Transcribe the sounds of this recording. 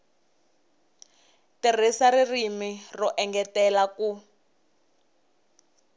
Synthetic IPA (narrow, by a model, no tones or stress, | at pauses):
tir̤isaririmirɔʔɛŋɡɛtɛlaku